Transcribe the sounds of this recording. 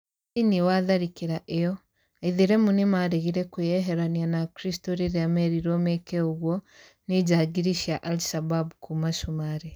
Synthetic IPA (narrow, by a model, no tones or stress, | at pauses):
iniwaðaɾikiɾaʔejɔ | aiðeɾɛmunimaɾeɣiɾɛkujɛɦɛɾanianakɾistoɾeɾeamɛɾiɾɔmɛkɛoɣwɔ | nid͡ʒaɡiɾiʃiaʔaliʃababukʰumaʃumaɾe